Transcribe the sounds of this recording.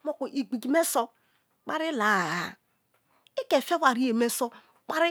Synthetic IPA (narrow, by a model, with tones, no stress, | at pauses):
mo˦ku˨ʔi˨ɡ͡bi˨ɡi˨me˦so˦ | k͡pa˦ɾɪ˦la˨a˨ | e˦ke˨fe˦wa˨ɾi˦e˨me˦so˦ | k͡pa˦ɾɪ˦